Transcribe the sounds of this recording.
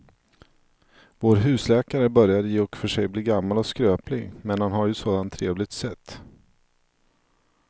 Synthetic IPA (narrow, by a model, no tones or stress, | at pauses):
voːɾɦʉ̟ːslɛːkaɾəbœɾjad̪jeːɔkfœʂɛjbliːɡamːalɔskɾøːplɪɡmɛnhanɦaɾjɵsoːd̪ant̪ʰːɾeːvlɪɡ̚t̪sɛt̪ː